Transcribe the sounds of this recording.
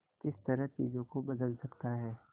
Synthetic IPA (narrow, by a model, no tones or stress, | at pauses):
kɪst̪ɐɾəɦt͡ʃḭːzõkobɐd̪əlsɐkt̪aɦɛː